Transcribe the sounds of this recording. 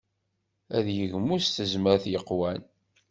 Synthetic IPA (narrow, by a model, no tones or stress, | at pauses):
æðjəʝmust̪əzməɾθjəqːwæn